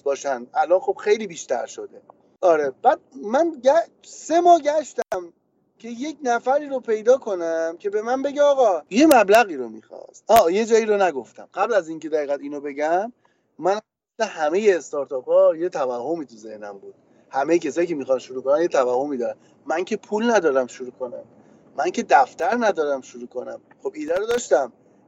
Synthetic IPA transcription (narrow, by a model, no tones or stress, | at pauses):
bɒːʃænd̪ʔælɒːnxo̞b̥xe̞jliːbiːʃt̪ʰæ̰ɾʃo̰d̪e̞ | ʔɒːɾeb̥æd̪̚mænɟæ | se̞mɒːɟæʃt̪æm | cʰe̞je̞cnæfæɾiːɾopʰe̞jd̪ɒːkʰo̞næmcʰe̞be̞mænbe̞ɟeɒːɣɒːje̞mæblæɣiːɾomḭxɒ̰st̪ʔɒːje̞d͡ʒɒːiːɾonæɡo̞ft̪æ̰mɢæblæzinŋcʰe̞d̪æiːɣæd̪iːnobe̞ɟæmː | æn | eslehæme̞jeːst̪ɒɾt̪ʰɒːpʰɒːje̞t̪ʰævæhːo̞miːt̪ʰuze̞hnæmbuːd̥̪ | hæmejecʰe̞sɒːjicʰe̞mixɒnʃuɾuːko̞nænje̞t̪ʰævæho̞mid̪ɒɾæn | mæŋcʰe̞pʰulnæd̪ɒːɾæmʃuɾuːkʰo̞næ̰m | mæŋcʰe̞d̪æft̪æɾnæd̪ɒːɾæmʃuɾuːkʰo̞næ̰m | χo̞biːd̪æɾod̪ɒːʃt̪æm